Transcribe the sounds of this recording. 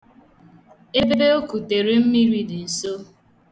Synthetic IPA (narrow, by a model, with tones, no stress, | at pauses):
e˦be˦be˦o˦ku˨te˨ɾi˦m̩˦mi˦ɾi˦dɪ˨n̩˨so˦